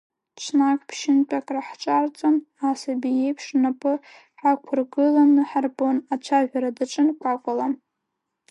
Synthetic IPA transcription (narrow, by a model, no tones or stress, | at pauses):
t͡ʃʷʰnakʼpʰʃɪnt͡pʼakʼraħt͡ʃʷʼart͡sʼon | asabijejpʰʂnapʼɨ | ħakʷʰʊrɡɨlanɨħarbonat͡ʃʷʰaʒᶣʷaɾadaʈ͡ʂʼɨnkʷʼakʷʼalam